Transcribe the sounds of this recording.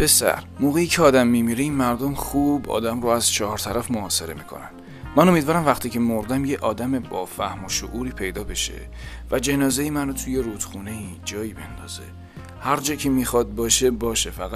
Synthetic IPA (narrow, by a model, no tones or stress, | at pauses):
b̥e̞sæ̰ɾmoːɣejiːcʰeɒːd̪æmːimiːɾeiːnmæɾd̪omxubɒ̰ːd̪æmroæz̥t͡ʃʰɒːhɒɾt̪ʰæɾæfmoɒːse̞ɾe̞miːkʰo̞̰næ̰nd̪̥ | mæno̞mid̪vɒːɾæmvæχt̪ʰiːcʰe̞moɾd̪æmjeʔɒːd̪æme̞bɒːfæhmoʃo̰ʔuːɾiːpʰejd̪ɒːbe̞ʃe̞̰ | væd͡ʒe̞nɒːze̞jimænot̪ʰuje̞ɾuːd̪̥xuːne̞id͡ʒɒːjiːbe̞nd̪ɒ̰ːz̥e̞̰ | hæɾd͡ʒɒːcʰemixɒd̪̚bɒːʃe̞bɒːʃefæɣæ